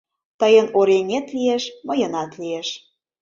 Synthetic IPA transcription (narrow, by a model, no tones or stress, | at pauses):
t̪əjənoɾenʲet̪lieʃmɤjənɑt̪lieʃ